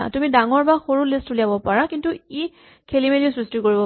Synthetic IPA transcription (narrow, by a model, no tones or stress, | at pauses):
a̰tumidaŋɔɹbaxoɹulistʰuliabɔpaɹakintui | kʰelimeliʊsɹistikoɹibɔ